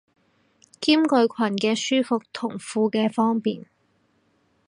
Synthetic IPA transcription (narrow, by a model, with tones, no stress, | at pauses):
kiː˥mkɵ˨˧ɥkʷʰɐ˨˩nkɛː˧syː˥fʊ˨k̚t̪ʰʊ˨˩ŋfuː˨˧kɛː˧fɔː˥ŋpiː˨n